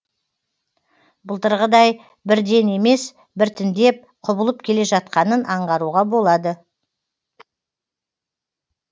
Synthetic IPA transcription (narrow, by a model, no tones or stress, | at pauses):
bʊəlˠt̪əɾʁəd̪ɑj | bɪɾd̪e̞ne̞me̞s | bɪɾt̪ʰɪnd̪ep̚qʰʊbəlˠəp̚kʲʰe̞le̞ʒɑt̪̚qɑnənʔɑɴʁɑɾuʁɑbo̞lˠɑd̪ə